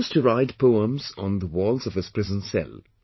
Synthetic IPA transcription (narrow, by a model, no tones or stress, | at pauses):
stʰɨɹaɪd̚pʰoʊə̃mzn̩ðəwɔlˠzʌv̥ɨz̥pʰɹ̥ɪzə̃nsɛ̰lˠ